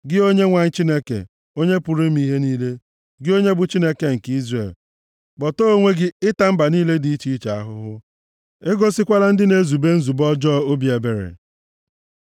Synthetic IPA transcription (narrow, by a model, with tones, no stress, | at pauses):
ɡɪ˦o˦ɲe˦ŋʷa˨ɲ̩˦t͡ʃi˦ne˦kḛ˨ | o˦ɲe˦pʊ˨ɾi˦m˦i˦ɦe˦niː˦le˦ | ɡɪ˦o˦ɲe˦bʊ˨t͡ʃi˦ne˦ke˨ŋ̩˨ki˦zre˨l | k͡pɔ˨to˦o˦ŋʷe˦ɡɪ˦ɪ˦ta˦m̩˦ba˨niː˦le˦di˨˦i˦t͡ʃi˦i˦t͡ʃa˨a˦ɦʊ˦ɦʊ˦ | e˦ɡo˦sɪ˦kʷa˦la˦n̩˦dɪ˦ne˦zu˨be˦n̩˦zu˨bɔ˦d͡ʒɔː˦o˦bi˨e˨be˨ɾḛ˨